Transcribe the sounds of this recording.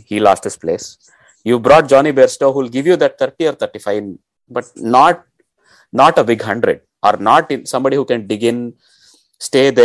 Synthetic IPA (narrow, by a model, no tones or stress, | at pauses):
hilɔ̰ːsʈhɪsplḛːs | juːʋbɾɔːʈ̚d͡ʒɔ̃ːnibeːɾsʈoːɦuːlɡɪʋjud̪æʈ̚t̪ʰəɾʈiɔːɾt̪ʰəɾʈifaɪn | bʌʈ̚nɔːʈ̚ | nɔːʈəbɪɡɦʌ̃ɳɖɾḛɖ | ʔɔ̰ːɾnɔːʈɪ̃nsʌ̃mbɑːɖihuːkɛ̃nbɪɡɪ̃n | sʈeːd̪e